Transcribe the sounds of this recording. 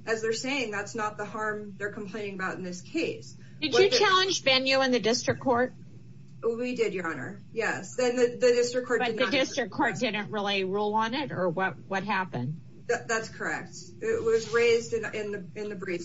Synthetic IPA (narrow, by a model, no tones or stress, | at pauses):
ʔɨzðə˞seɪɪ̃ŋðætsnət̪̚ðəhɑɹmðə˞kʰm̩pʰl̥ẽɪ̃nɪ̃ŋəbaʊɾn̩ðɪskʰeɪs | d̥ɨd͡ʒɨt͡ʃʰælˠə̃nd͡ʒbɛ̃njʉɨ̃nðɨdɪstɹ̥ɨkʰːɔɹt̚ | widɪdə˞ɑnə̰˞ | jɛsðɨ̃nðɨðɨdɪstɹ̥ɨkʰːɔɹ̚b̥ʌɨdn̚ðɨdɪstɹ̥ɨkʰɔɹt̚d̥ɪdⁿn̩ʔɹɪlˠiɹulˠə̃nɪɾə˞wʌt̚wʌt̚ɦæpɨ̰̃nd̥ | ðɨðætskʰə˞ɛ̰k̚t | ɪʔ̚wʌzɹeɪzdɨ̃ɪ̃nðɨɪ̃nðɨbɹi